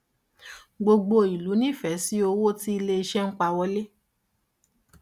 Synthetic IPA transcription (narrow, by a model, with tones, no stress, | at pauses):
ɡ͡bo˧ɡ͡bo˧i˨lu˨˦nĩ˦˨fɛ˨˦si˦o˧wo˦ti˦i˧le˧i˧ʃɛ˦ŋ̩˦k͡pa˧wɔ˧˦le˦